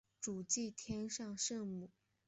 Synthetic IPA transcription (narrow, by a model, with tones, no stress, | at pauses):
ʈ͡ʂu˨˩t͡ɕi˥˩t̪ʰjɛ˥nʂɑ˥˧ŋʂɤ˥˧ŋmu˥˩˦